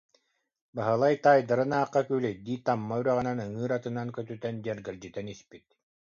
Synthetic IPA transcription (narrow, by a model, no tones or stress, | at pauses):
baɦɯlˠajt̪aːjd̪aɾɯnaːqːakyːlɛd̪iːt̪amːayɾɛʁɯnanɯŋɯːɾat̪ɯnankœt̪yt̪ɛnd͡ʑɛɾɡɛld͡ʑit̪ɛnispit̪̚